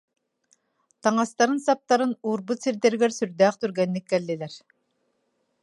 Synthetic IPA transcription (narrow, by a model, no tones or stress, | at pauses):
t̪ɑŋast̪aɾɯnsɑp̚t̪aɾɯnuːɾbut̪siɾd̪ɛɾɡɛɾsyɾd̪æːχt̪yɾɡɛnːikːɛlːilɛɾ